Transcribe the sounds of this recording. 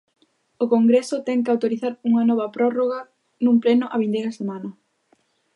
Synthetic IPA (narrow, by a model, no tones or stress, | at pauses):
okoŋɡɾesʊt̪ɛŋkɪawt̪oɾiθaɾuŋɐnɔβɐpɾɔroɣɐ | nũmplɛnʊʔɐaβind̪ejɾɐsemãnɐ